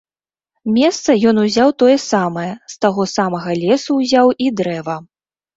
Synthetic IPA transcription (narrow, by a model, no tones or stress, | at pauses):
mʲɛst̪sɐjɔnuzʲawt̪ɔjɛsamɐjɛst̪aɣɔsamɐɣɐlʲɛsuwzʲawʔid̪ɾɛvɐ